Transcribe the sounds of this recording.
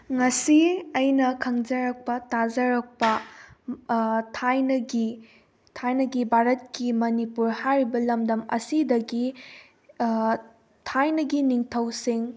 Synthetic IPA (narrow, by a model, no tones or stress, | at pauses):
ŋɐsiɐjnɐkʰɐŋd͡ʒɐɾɐk̚pɐtazɐɾɐk̚pɐ | tʰajnɐɡi | tʰajnɐɡibʱaɾɐt̚kimɐnipuɾhajɾibɐlɐmdɐmɐ̰sidɐɡi | tʰajnɐɡiniŋtʰɐwsiŋ